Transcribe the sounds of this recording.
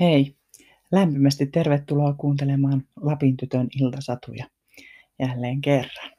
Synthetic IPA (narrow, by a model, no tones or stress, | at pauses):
hei | læmpimæst̪it̪terʋet̪ːuloːkuːnt̪elemɑːnlɑpint̪yt̪ønilt̪ɑsɑt̪ṵjɑ | jælːeːŋkerːɑn